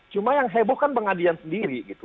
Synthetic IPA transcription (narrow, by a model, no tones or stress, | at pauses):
t͡ʃumajaŋɦebɔhkanpəŋadilansəndiɾiɡit̪u